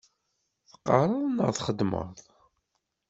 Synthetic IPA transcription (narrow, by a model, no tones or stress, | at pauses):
θqːɑɾˤɑðˤnəʁθχəd̪mə̰ðˤ